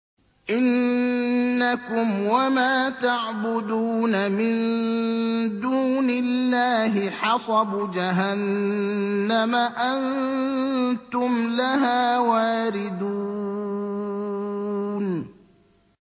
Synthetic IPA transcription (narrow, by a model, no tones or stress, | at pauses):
ʔɪnː | akʊmwamaːt̪aʕbʊd̪uːnamɪn | d̪uːnɪlːaːɦɪħɑsˤɑbd͡ʒaɦanː | amaʔan | t̪ʊmlaɦaːwaːɾɪd̪u | n